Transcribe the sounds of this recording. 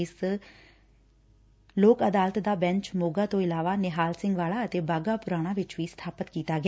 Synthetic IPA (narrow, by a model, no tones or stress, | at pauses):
ɪs | loːkəd̪aːlət̪d̪aːbɛ̃ɲt͡ʃmoːɡaːt̪õːɪlaːʋaːnɪɦaːlsɪŋɡʋaːlaːət̪eːbaːɡaːpʊɾaːɽ̃ãːʋɪt͡ʃʋiːst̪ʰaːpət̪kiːt̪aːɡɪː